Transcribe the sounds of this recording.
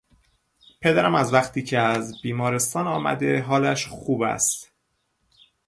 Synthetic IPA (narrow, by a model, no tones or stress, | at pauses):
pʰe̞d̪æɾæmæzvæxt̪ʰiːcʰeæzbiːmɒːɾe̞st̪ɒːnɒːmæ̰d̪e̞ɦɒːlæʃxuːbæ̰st̪